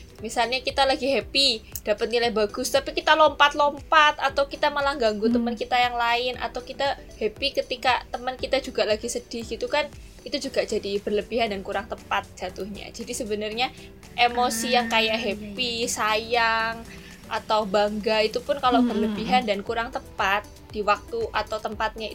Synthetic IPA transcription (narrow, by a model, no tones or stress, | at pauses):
misalɲakit̪alaɡiɦepid̥apat̪̚nilajbaɡ̥ʊst̪apikit̪alɔmpat̪̚lɔmpat̪at̪awkit̪aməlaŋɡaŋɡut̪əmənkit̪ajaŋlaɪnʔa̰t̪awkit̪a | hepikət̪ikat̪əmənkit̪ad͡ʒuɡaʔlaɡisəd̥ɪhɡ̥it̪ukan | it̪ud͡ʒuɡaʔd͡ʒadib̥ərləbiɦandankuɾaŋt̪əpat̪̚d͡ʒ̥at̪ʊhɲa̰d͡ʒadisəbənərɲa | ʔemosijaŋkajaʔɦepisajaŋ | ʔa̰t̪awbaŋɡait̪upʊnkalob̥ərləbiɦandankuɾaŋt̪əpat̪̚ | d̥iwak̚t̪uʔat̪awt̪əmpat̪̚ɲai